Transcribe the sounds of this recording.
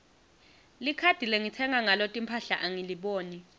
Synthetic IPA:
likʰad̥ʱilɛŋitʰɛŋaŋalotʼimpʰaɬaʔaŋiliɓoːni

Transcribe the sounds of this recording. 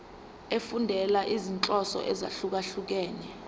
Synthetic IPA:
efundʱɛlaʔizint͡ɬʼɔsɔ̰ʔɛza̰ɬuk̬aɬuk̬ɛːɲɛ

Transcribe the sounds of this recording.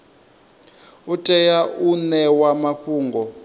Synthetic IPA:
utʼɛjaʔunɛwamaɸuːŋɡɔ

